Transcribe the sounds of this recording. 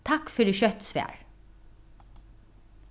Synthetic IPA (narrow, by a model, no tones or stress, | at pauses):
t̪ʰɑkfœɖeːʃœt̪sʋæ̰ːɹ